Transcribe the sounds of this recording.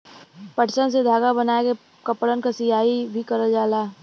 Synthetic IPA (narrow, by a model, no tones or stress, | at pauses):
pɐʈsəns̬ed̪ʱaːɡabɐnaːeke | kɐpɽənkasɪjaːibʱikɐɾəd͡ʒaːlaː